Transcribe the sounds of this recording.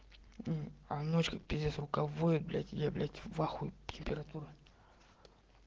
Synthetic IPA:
amnot͡ɕkəkpʲɪzʲesrʊkavojɪt̪̚blʲa̰tʲjablʲatʲvaxujtʲɪmʲpʲɪɾat̪uɾʊ

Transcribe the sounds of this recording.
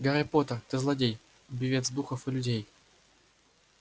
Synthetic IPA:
ɡɐɾʲɪpot̪ərt̪ɨzlˠɐdʲej | bʲɪvʲet̪zd̪uxəfɨlʲʉdʲej

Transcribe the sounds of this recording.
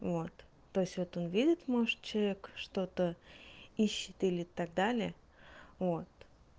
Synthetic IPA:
vo̞t̪ː | o̞jɪsʲvo̞t̪o̞nvʲidʲɪt̪mo̞ʐɨt̪̚t͡ɕɪlˠɐvʲekʂt̪o̞t̪ə | iɕːɪt̪ilʲɪt̪aɡ̚d̪alʲɪə | vot̪

